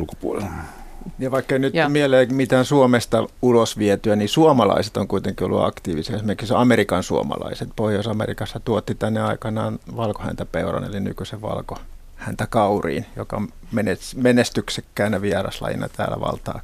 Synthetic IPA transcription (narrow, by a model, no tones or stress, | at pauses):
ulko̥puolḛl | jɑʋɑikːeinyt̪mieleːmit̪æːnsuomest̪ɑulosʋiɛt̪yænisuomɑlɑ̰ise̥t̪oŋkuit̪eŋkio̰lːṵɑ̰kt̪iːʋisiɑesimerkissɑmerikɑnsuo̰mɑ̰lɑ̰iset̪̚pohjoisɑmḛrikɑsːɑt̪uot̪ːit̪ænːeɑikɑnɑːnʋɑlko̥hæ̰nt̪æpeurɑ̰nḛliny̰kyseʋʋɑ̰lko | hænt̪ækɑurḭːnjokɑm | menesmenest̪yksekːæːnnæʋiɛrɑ̰slɑ̰jḭnɑ̰t̪æ̰ːlæ̰ʋɑ̰lt̪ɑ̰ː